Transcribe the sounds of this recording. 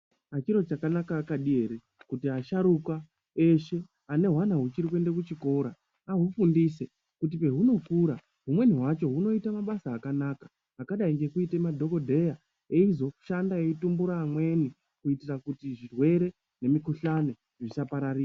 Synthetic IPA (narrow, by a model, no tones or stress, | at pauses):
at͡ʃiɾo̞t͡ʃakanakaːkaɗie̞ɾe | kutiaʃaɾuka | e̞ʃe̞ | ane̞ɦwanaɦut͡ʃiɾik̬we̞nde̞k̬ut͡ʃiko̞ɾa | aɦufundise̞ | kut̬ipe̞ɦuno̞kuːɾa | ɦumwe̞niɦwat͡ʃo̞ɦuno̞itamaɓasaːkanaːkḁː | kaɗaiŋɡe̞kuitemadʱo̞ko̞dʱe̞ja | eizo̞ʃandaeitumbuɾaːmwe̞ni | kuitirakutiʐirwe̞ɾe̞ | ne̞mikuɬane̞ | ʐisapaɾariːa